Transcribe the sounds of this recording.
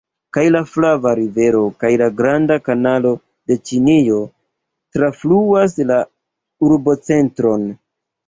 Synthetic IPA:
kajlaflavaɾive̞ɾo̞kajlaɡɾandakanalo̞ | de̞t͡ʃinio̞ | tɾafluas̬la | uɾbo̞t͡se̞ntɾo̞n

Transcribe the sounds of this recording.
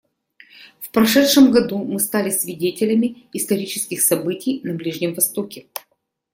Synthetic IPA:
fpɾɐʂɛtʂɨmɡɐd̪umɨst̪alʲɪsvʲɪdʲetʲɪlʲəmʲɪɪst̪ɐɾʲit͡ɕɪ̥skʲɪxsɐbɨtʲɪjnɐblʲiʐnʲɪmvɐst̪o̞kʲɪ

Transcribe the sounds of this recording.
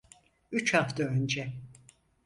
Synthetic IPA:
yt͡ʃhaft̪ʰaønd͡ʒɛ

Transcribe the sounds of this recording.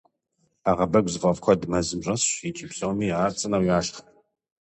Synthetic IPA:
aːʁɐbɐɡʷzɨʁɐvkʷʰɔdmɐzɨmɕʼɐsɕit͡ʃʼɪpɕʼɐwmiːaːrt͡sʼɐnɐwjaːʃχɐ

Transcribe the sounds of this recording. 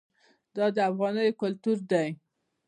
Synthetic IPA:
d̪ɑd̪əafɣɑnəjokʊlt̪uɾd̪aj

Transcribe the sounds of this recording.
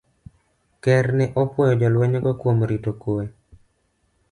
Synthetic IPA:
kɛɾnɛʔɔpwɔjɔd͡ʒɔlwɛɲɔɡɔkwomɾitokue

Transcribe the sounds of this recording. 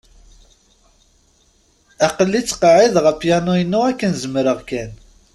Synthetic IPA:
æqəlːit͡sːqɑʕɪðʁəfjænujənːuækːənzəmɾəʁkæn

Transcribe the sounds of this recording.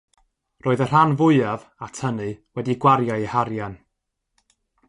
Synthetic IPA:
roːɨðər̥anvʊɨav | atʰənɨwɛdiɡwaɾjaihaɾjan

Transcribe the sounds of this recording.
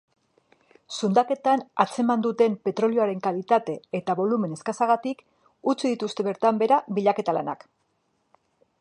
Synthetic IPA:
sund̪ake̞t̪ana̰t͡se̞mand̪ut̪e̞mpe̞t̪ɾo̞lioaɾe̞ŋkalit̪at̪e̞ːt̪aβo̞lume̞ne̞skasaɣat̪ik | ut͡siðit̪ust̪e̞βe̞ɾt̪ambe̞ɾaβiʎake̞t̪ala̰na̰k

